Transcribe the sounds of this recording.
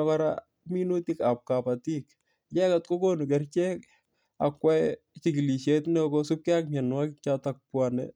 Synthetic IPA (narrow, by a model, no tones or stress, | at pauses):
kɔɾa̰ | minutikap̚kapatik̚ | jɛkat̚kokonukɛrt͡ʃɛk | a̰kwɛ | t͡ʃikiliʃetnɛkosup̚kɪak̚mɛnwakɪk̚t͡ʃatak̚pwanɛ̰